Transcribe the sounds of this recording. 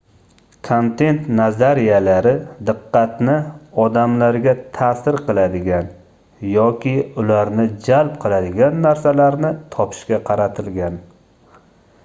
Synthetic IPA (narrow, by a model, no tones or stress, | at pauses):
kʰont̪ʰe̞nt̪nazaɾijalaɾɪd̪ɨqːɑt̪nɪɒd̪amlaɾɡʲat̪ʰasɪɾqɨlˠad̪ɪɡʲan | jɒkʲʰɪʊlaɾnɪd͡ʒalˠp̚qʰɨlˠad̪ɪɡʲanːaɾsalaɾnɪt̪ʰɒpʰɪ̥ʃkʲaqʰɑɾat̪ʰɪlɡʲan